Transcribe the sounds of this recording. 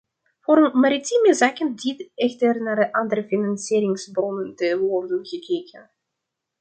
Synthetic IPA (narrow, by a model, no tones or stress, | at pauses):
voːɾənmaɾitiməzaːkənditɛxtərnaːrdəʔandəɾəfinansiːɾɪŋsbrɔnəntəʋɔrdənɣəkʰeːkʰən